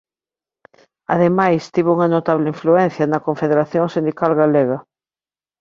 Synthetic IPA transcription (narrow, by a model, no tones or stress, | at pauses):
aðemajst̪iβouŋɐnot̪aβleiɱfluɛn̟θjɐnɐkoɱfeðeɾaθjoŋsĩnd̪ikalɣaleɣɐ